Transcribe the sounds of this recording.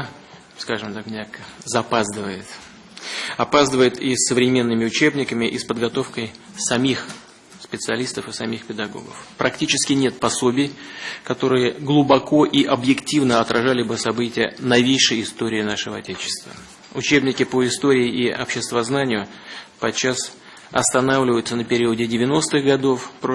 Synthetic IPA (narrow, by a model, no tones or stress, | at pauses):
skaʐɨmt̪akmʲnʲakzɐpazd̪ɨvəjɪt̪ | ɐpazd̪əvəjɪt̪isːəvɾʲɪmʲe̞nːɨmʲɪʊt͡ɕe̞bnʲɪkəmʲɪʔispəd̪ɡɐt̪o̞fkəj | sɐmʲix | spʲɪt̪sɨɐlʲist̪əfɨsɐmʲixpʲɪd̪ɐɡo̞̰ɡə̰fpɾʔɐktʲit͡ɕɪskʲɪnʲe̞t̪̚pɐso̞bʲɪjkɐt̪o̞ɾɨjəɡlˠʊbɐko̞ʔiʔɐbjɪktʲivnəɐt̪rʔɐʐalʲɪbɨsɐbɨtʲɪjənɐvʲejʂəjɪst̪o̞ɾʲɪːnaʂɨvəɐtʲet͡ɕɪ̥st̪və̰ | ʊt͡ɕe̞bnʲɪkʲɪpoɪst̪o̞ɾʲɪːʔiɐ̰pɕɪst̪vɐznanʲɪjʊpɐt͡ɕːas | ɐst̪ɐnavlʲɪvəjʊt̪sənəpʲɪɾʲiʊdʲɪdʲɪvʲɪno̞st̪ɨɣɡɐd̪o̞fp